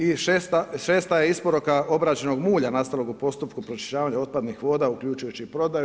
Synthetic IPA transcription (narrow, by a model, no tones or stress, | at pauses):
iʃeːst̪aʃe̞ːst̪ajeispo̞ɾukao̞bɾaːt͡ʃe̞no̞ɡmuːʎanast̪alˠo̞ɡupo̞st̪upkupɾot͡ʃi̥ʃaːʋaɲao̞dt̪̚pad̪nixʋo̞ːd̪aukʎut͡ʃujut͡ɕipɾo̞d̪aju